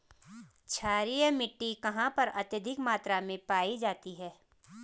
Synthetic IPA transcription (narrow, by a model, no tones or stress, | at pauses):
t͡ʃʰaːɾijəmɪʈːikɐɦãpɐɾɐt̪jəd̪ʱɪkmaːt̪ɾamẽpaːid͡ʒaːt̪iɦɛː